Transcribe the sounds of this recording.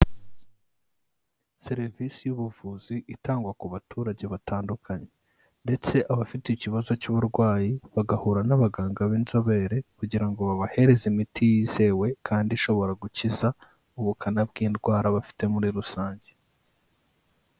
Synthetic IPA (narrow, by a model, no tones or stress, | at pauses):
se̞ɾivisijuβuvuziʔitaːŋɡwakuβatʰuːɾaɟe̞βataːndukʰaɲe | nde̞t͡se̞ʔaβafiteiciβazo̞cuβuɾɡwaːjiβaɡahuːɾanaβaɡaːŋɡaβiːnzo̞βe̞ːɾe̞kuɟiɾaŋɡoβaβahe̞ɾe̞zimitʰijiz̥e̞we̞kʰaːndiʃo̞βo̞ɾaɡuciza | uβukʰanabɡiːndɡwaːɾaβafi̥te̞muɾiɾusaːɲɟe